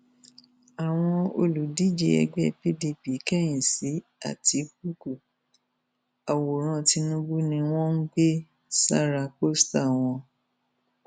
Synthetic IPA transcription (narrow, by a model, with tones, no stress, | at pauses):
a˨w̃ɔ̃˧o˧lu˨di˦d͡ʒe˧ɛ̰˧ɡ͡bɛ˦pi˦di˧pi˨˦kɛ˦j̃ĩ˨si˨˦a̰˦˨tʰi˨˦k̚u˦ku˨ | a˨wo˨ɾ̃ã˦˧ti˧nũ˦ɡ͡bu˦nĩ˧w̃ɔ̃˦n̩˦ɡ͡be˦ | sa̰˦ɾa˧ko˦sta˦˨w̃ɔ̃˧